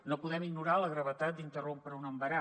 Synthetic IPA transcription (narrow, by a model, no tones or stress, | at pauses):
nopuðɛmiɡnuɾaləɣɾəβət̪at̪̚d̪int̪ərompɾəunəmbəɾa